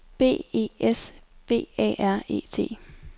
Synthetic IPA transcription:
b̥e̝̰ːe̝̰ːesb̥e̝̰ːɛ̰ːʔæɐ̰e̝̰ːt͡sʰe̝̰ː

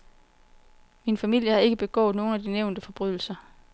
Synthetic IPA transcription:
minfæmil̰jəhɑ̈e̝ɡ̥əb̥e̝ɡ̥ɔ̰ːð̩ˠno̝ːn̩æd̥ineʊnd̥əfɒ̽b̥ʁyð̰ˠl̩sɐ

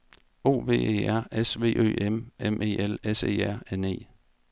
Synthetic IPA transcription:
o̝̰ːʋe̝̰ːe̝̰ːæɐ̰esʋe̝̰ːʔø̰ːememʔe̝̰ːelesḛːæɐ̰ene̝̰ː

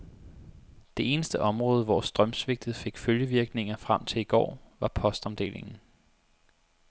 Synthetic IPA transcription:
d̥e̝e̝ːnəsd̥əʔɒ̽mʁɔ̽ːð̞ˠəʋɒ̰sd̥ʁɶmsʋe̝ɡ̥̚d̥ð̞̩ˠfe̝ɡ̥føljəʋiɐɡ̥ne̝ŋɐfʁam̰t͡sʰe̝liɡ̥ɒ̰ːʋɑ̈pʰɒ̽sd̥ɒ̽mʊd̥e̝̰ːle̝ŋn̩

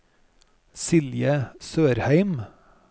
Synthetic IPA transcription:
sɪljəsøːɾhæɪm

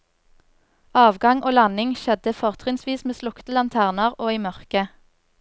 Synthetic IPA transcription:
ɑːʋɡɑŋʔoːlɑnɪŋʃɛd̪əfɔʁt̪ʰʁɪnsʋiːsmeːslʊkt̪əlɑnt̪ʰæːʁnəʁoːiːmœʁkə

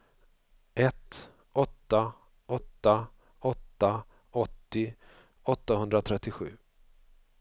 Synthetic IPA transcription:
ɛt̪ | ɔt̪ːa | ɔt̪ːa | ɔt̪ːa | ɔt̪ːɪ | ɔt̪ːahɵnd̪ɾat̪ʰɾɛt̪ːɪɧʉ̟̰ː

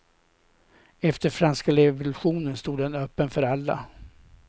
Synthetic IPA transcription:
ɛft̪əɾfɾanskaɾɛvʊlɵɧuːnənst̪uːd̪ːɛnœpːənfœɾalːa̰

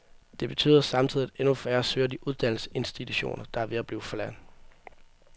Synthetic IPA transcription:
d̥e̝b̥e̝t͡sʰy̰ːðˠɐsɑ̈mt͡sʰið̰ˠiædenufæːɐsøːɐd̥iʔuð̞ˠd̥æn̰l̩se̝nsd̥it͡sʰuɕo̝̰ːnɐd̥ɑ̈æʋe̝æb̥liːʊfɒ̽læn̰

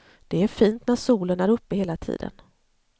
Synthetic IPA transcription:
d̪̥ɛæɾfiːnt̪næʂuːlənæɾɵpːəheːlat̪ʰḭːd̪ə̰n

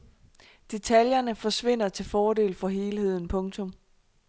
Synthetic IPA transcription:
d̥e̝t͡sʰæljɐnəfɒ̽sʋe̝n̰ɐt͡sʰe̝lfɒːde̝̰ːlfɒ̽ɦe̝ːlhe̝ð̞̰ˠn̩pʰɔ̽ŋt͡sʰɔ̽m

